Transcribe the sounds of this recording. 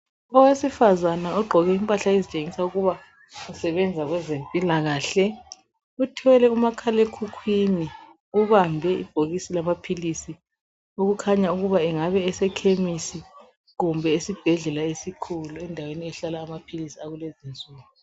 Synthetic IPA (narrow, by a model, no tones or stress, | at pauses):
ɔwesifazanaɔɡ͡ǃʱɔɣɛimpʼaɬaezit͡ʃʼeŋisauɣuβa | usɛβɛnd͡zʱaɣwɛzempʼilaɣaːɬɛ | utʰiwɛlɛumakʰalekʰukʰwini | uβambʱɛḭb̥ʱoɣisilamapʰilisi | uɣukʰaɲauɣuβaɛŋaβɛɛsɛkʰemisi | ɣumbʱɛisib̥ʱɛɮɛlaesikʰuluɛndʱaweniɛɬalaːmapʰilisiaɣulezint͡sʼuːɣu